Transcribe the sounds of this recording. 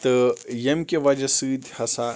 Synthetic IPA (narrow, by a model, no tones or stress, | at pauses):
t̪ɨjɐmkʲeʋɐd͡ʒɐsɨːd̪ʱhɐsa